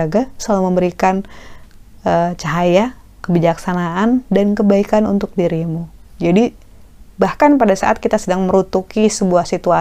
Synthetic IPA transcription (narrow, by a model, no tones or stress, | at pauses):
aɡasəlalaməmbəɾikan | ət͡ʃaɦaja | kəbid͡ʒaksanaʔandankəbaikanunt̪ʊk̚diɾimu | d͡ʒadi | bahkanpadasaʔa̰t̪̚kit̪asədaŋməɾut̪ukisəbuahsit̪ua